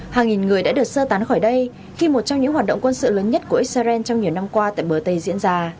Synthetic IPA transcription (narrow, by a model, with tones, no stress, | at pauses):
haː˨˩ŋi˨˩nŋɨ˨˩əjɗa̰ː˧˥ɗɨ˨˩ək̚səː˧t̪aː˨˦nxɔː˧˩jɗə˧j | xi˧mo˨˩t̚t͡ɕɔ˧ŋ͡mɲɨ̰˧˥ŋɦwaː˨˩t̚ɗə̰˧˨ŋ͡mkwə˧nsɨ̰˧˨ləː˨˦nɲə˦˥t̚ku˧˩əʔi˦˥t̚sa˧zɛ˧nt͡ɕwŋ͡mɲi˨˩əwna˧mkwaː˧t̪a̰ː˧˨jɓəː˨˩t̪ə˧jzḭ˧˥ənzaː˧